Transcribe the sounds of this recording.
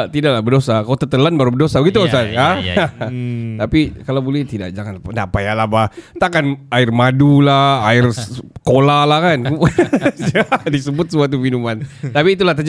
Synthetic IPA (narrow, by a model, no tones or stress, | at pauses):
t̪idaklahbərdosakalat̪ət̪əlanbaɾubərdosabəɡit̪usana | t̪apikalabolɛt̪ida̰ʔ̚d͡ʒaŋanndapajalabaht̪akanaɪrmadulaaɪrskolalahkanu | adisəbʊt̪̚səmuat̪̬uminumant̪apiːt̪̬ulaht̪̬əd͡ʒ